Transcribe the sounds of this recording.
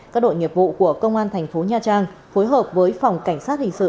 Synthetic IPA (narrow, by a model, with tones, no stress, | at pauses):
kaː˦˥k̚ɗo̰˧˨jŋi˨˩əp̚vṵ˧˨ku˧˩əkə˧wŋ͡mʔaː˧nt̪ʰɛ˨˩jŋ̟fo˨˦ɲaː˧t͡ɕaː˧ŋfo˨˦jɦəː˨˩p̚vəː˨˦jfa˨˩wŋ͡mka˧˩jŋ̟saː˦˥t̚hï˧˨ŋ̟sɨ̰˧˨